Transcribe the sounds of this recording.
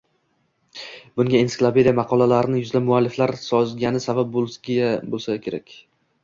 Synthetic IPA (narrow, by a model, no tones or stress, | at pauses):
bʊŋɡʲainsɪklˠapʰed̪ijamɑqʰɒlˠalaɾɪnɪjʊzlab̚mʊalːɪflaɾsɒzɡʲanɪsabap̚bolˠɡʲabolˠsakʲʰe̞ɾakʲ